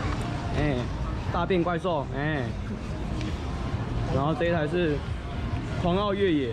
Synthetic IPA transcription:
ɛ˥˩ | t̪a˥˧pjɛ˥˨nkwa˥˧ɪso˥˩ʊɛ˥˩ | ɻa˨˧˥nxo˥˧t̪e˥˩a˧˥ɪʂɻ̩˥˧ | tʰwɑ˧˥ŋɑ˥˧ʊɥɛ˥˩jɛ˨˩˦

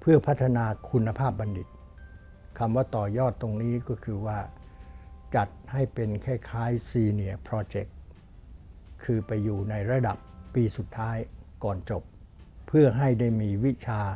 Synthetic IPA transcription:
pʰɯ˥˩ɐpʰa˦˥t̪ʰːa˧naː˧kʰu˧nːa˧pʰaː˥˩p̚ba˧ndi˨˩t̪̚ | kʰa˧mwaː˥˩t̪ɔː˨˩jɔː˥˩t̪ːo˧ŋniː˦˥kɔː˥˩kʰɯː˧waː˥˩ | t͡ɕa˨˩t̪̚ha˥˩jpe˧nkʰɛː˥˩jkʰaː˦˥jsiː˧ni˨˩ɐpʰɾɔː˧t͡ɕe˨˩k̚ | ɯː˧pa˧jːuː˨˩na˧jɾa˧da˨˩p̚ːiː˧su˨˩t̪ʰːaː˦˥jkɔː˨˩nt͡ɕo˨˩p̚ʰː | ɯ˥˩ɐɦa˥˩jdaː˥˩jmiː˧wi˦˥t͡ɕʰaː˧

